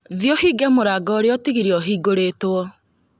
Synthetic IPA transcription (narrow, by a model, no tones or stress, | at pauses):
ðjɔhiːɡɛmoɾaɡɔɾeɔtiɣiɾiɔɦiːɡoɾetwɔ